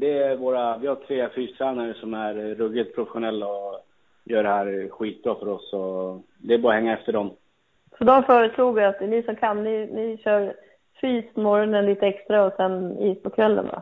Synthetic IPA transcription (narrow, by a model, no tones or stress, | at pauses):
d̪ɛvoːɾavɪhat̪ʰɾeːfyːst̪ʰɾæːnaɾəsɔmæɾːɵɡɪt̪pʰɾʊfɛɧʊnɛlːaɔ | jœːɖɛhæːɾɧiːt̪̚bɾɑːfœɾɔsɔ | d̪ɛːbɑːɾahɛŋːaɛft̪əɖɔm | fœd̪ɔmfœːɾəsluːɡəɾat̪̚d̪ɛnɪsɔmkʰanːnɪnɪɕœːɾ | fyːspʰɔmɔɾɔnənliːt̪əɛkst̪ɾaɔsɛniːspʰɔkʰvɛlːə̰nd̪a̰